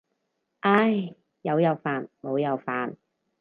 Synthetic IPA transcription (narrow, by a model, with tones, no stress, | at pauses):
ʔa˥j | jɐ˨˧wjɐ˨˧wfaː˨nmo˨˧wjɐ˨˧wfaː˨n